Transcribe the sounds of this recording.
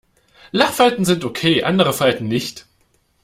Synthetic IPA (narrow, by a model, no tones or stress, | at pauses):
laχfaltn̩zɪntokʰeːʔa̰ndəʁəfaltn̩nɪçt